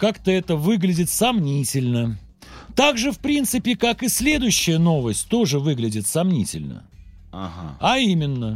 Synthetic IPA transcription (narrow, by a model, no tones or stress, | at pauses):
kakt̪əɛt̪əvɨɡlʲɪdʲɪt̪sɐmnʲitʲɪlʲnə | t̪aɡʐɨfpɾʲint̪sɨpʲɪkakɨsʲlʲe̞d̪ʊjʉɕːɪjəno̞vəsʲtʲt̪o̞ʐɨvɨɡlʲɪdʲɪt̪sɐmnʲitʲɪlʲnə̰ | a̰ɦaaimʲɪnːə